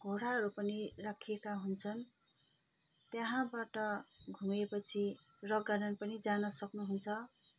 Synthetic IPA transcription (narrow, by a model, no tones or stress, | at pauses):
ɡʱoɽaɦʌɾupʌnirakʰijekaɦunt͡sʰʌn | t̪jaɦãbaʈʌɡʱumepʌt͡sʰi | rʌɡaɾʌnpʌnid͡zanʌsʌknuɦunt͡sʰʌ